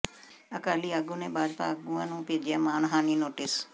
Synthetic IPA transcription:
əkaːliːaɡũːneːbaːd͡ʒpa̰ːəɡuːãːnũːpeːd͡ʒɪjaːmaːnɦaːniːnoːʈɪs

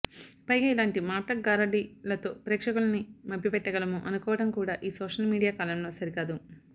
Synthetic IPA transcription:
pɐjɡaːilaːɳʈimaːʈɐɡaːɾɐɖilɐt̪o̞ːpɾɛːkʂɐkulɐnimɐbːipɛʈːɐɡɐlɐmuʔɐnukɔːʋɐʈɐmkuːɽaːʔiːsɔːʂɐlmiːɽijaːkaːlɐmlo̞ːsɐɾikaːd̪u

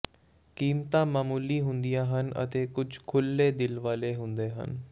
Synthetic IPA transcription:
kiːmt̪ãːmaːmuːliːɦʊnd̪ijãːɦənə̰t̪eːkʊd͡ʒkʰʊlːeːd̪ɪlʋaːleːɦʊnd̪eːɦə̰n

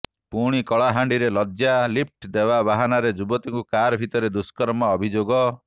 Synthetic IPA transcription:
puɽ̃ikɔɭaɦaɳɖiɾelɔd͡ʒjalip̚ʰʈd̪ebabaɦanaɾed͡ʒubɔt̪iŋkukaɾbʱit̪ɔɾed̪uskɔɾmaɔbʱid͡ʒoɡɔ

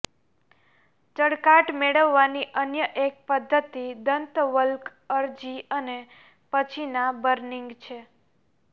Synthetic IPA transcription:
d͡ʒəɽkaʈmeɭəʋːaniʔənjəʔek̚pəd̪ʱːət̪id̪ənt̪ʋəlkəɾd͡ʒiəne | pət͡ʃʰinabəɾniŋɡt͡ʃʰe

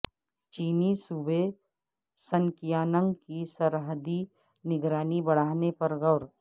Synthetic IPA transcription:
t͡ʃiːnisube | səŋkɪjaːnə̃ŋɡkisɐɾɦəd̪i | nɪɡɾaːnibɐɽ̤aːnepɐɾɣɐʊɾ

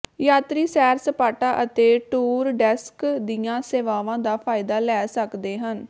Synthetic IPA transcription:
jaːt̪ɾiːsɛːɾsəpaːʈaːʔət̪eːʈuːɾɖɛskd̪ijãːseːʋaːʋãːd̪aːpʰaːɪd̪aːlɛːsəkd̪eːɦən

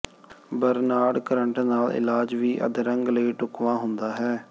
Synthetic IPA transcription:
bəɾnaːɽkəɾəɳʈnaːlɪ̰laːd͡ʒʋiːʔə̰d̪ɾəŋɡləiːʈʊkʋãːɦʊnd̪aːɦɛː

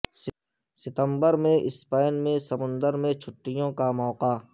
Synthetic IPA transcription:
sɪt̪ə̃mbəɾmẽʔɪspaːɪnmẽsɐmʊ̃nd̪əɾmẽt͡ʃʰʊʈːɪjõkamɔːqaː

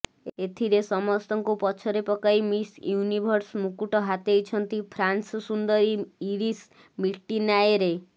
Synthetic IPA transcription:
et̪ʰiɾesɔmɔst̪ɔŋkupɔt͡ʃʰɔɾepɔkaimisjunibʱɔɾsmukuʈɔɦat̪ejt͡ʃʰɔnt̪ipʰɾanssund̪ɔɾiiɾis | miʈːinajeɾe

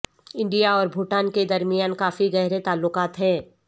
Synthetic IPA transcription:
ɪ̃ɳɖijaɔːɾbʱʊʈaːnked̪ɐɾmijaːnkaːfiɡɛɦɾet̪aːlːʊkaːt̪ɦɛ̃ː

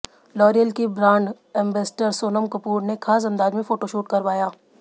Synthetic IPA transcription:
lɔːɾijəlkibɾãːɳɖ | ɛ̃ːmbeːsʈəɾsoːnəmkɐpuːɾnekʰaːs̬ɐ̃nd̪aːd͡ʒmẽfoːʈoʃuːʈkɐɾʋaːjaː

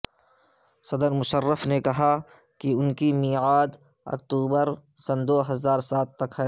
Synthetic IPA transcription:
sɐd̪əɾmʊʃərːəfnekɐɦa | kiʊnkimiːʕaːd̪ | ɐ̰k̚t̪uːbəɾsɐnd̪oːɦɐzaːɾsaːt̪ːɐkɦɛː

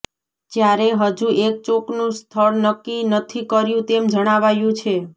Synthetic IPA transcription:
d͡ʒjaɾeɦəd͡ʒuʔek̚t͡ʃoknũst̪ʰəɭnəkːinət̪ʰikəɾjũt̪emd͡ʒəɽ̃aʋajũt͡ʃʰe

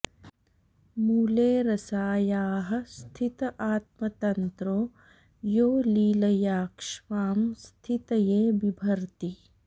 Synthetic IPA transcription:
muːleːɾɐsaːjaːɦɐ̆st̪ʰit̪ɐʔaːt̪̚mɐt̪ɐnt̪ɾoː | joːliːlɐjaːkʃʋaːmst̪ʰit̪ɐjeːbibʱɐɾt̪i

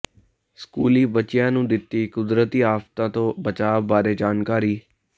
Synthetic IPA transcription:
skuːliːbət͡ʃɪjãːnũːd̪ɪt̪ːiːkʊd̪ɾət̪iːaːft̪ãːt̪õːbət͡ʃaːʋbaːɾeːd͡ʒaːnkaːɾiː

